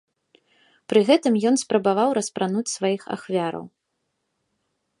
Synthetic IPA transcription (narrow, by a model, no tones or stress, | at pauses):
pɾɨɣɛt̪ɨmjɔn̪spɾɐbavawɾɐspɾanut͡sʲsvajixa̰xvʲaɾɐ̰w